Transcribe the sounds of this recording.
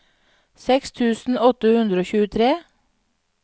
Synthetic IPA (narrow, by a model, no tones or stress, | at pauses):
sɛkst̪ʰʉːsn̩ɔt̪əhʉnd̪ɾəoːçʉːət̪ʰɾeː